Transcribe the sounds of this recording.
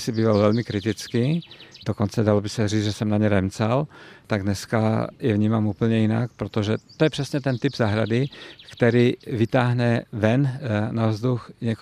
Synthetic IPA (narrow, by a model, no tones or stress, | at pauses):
sibiːvalvɛlmɪkɾɪt̪ɪt͡skid̥okont͡sɛdalobɪsɛriːd͡zʒɛsɛmnaɲɛɾɛmt͡salt̪aɡdnɛskajɛvɲiːmaːmuːpl̩ɲɛjina̰kpɾot̪oʒɛt̪ojɛpr̝̥ɛsɲɛt̪ɛnt̪ibzaɦɾa̰dɪkt̪ɛɾiːvit̪aːɦnɛvɛnnavzd̪uxɲɛk